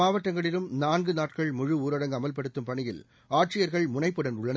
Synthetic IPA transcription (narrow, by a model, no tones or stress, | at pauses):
aːʋɐʈːɐŋɡɐɭɪɾɯmnaːnɡɯnaːʈkɐɭmʊɻɯuːɾɐɽɐŋɡɐmɐlpɐɽɯt̪ːɯmpɐɳɪjɪ̰l | aːʈrɪjɐɾɣɐɭmʊnɐɪpːɯɽɐnʊɭːɐnɐ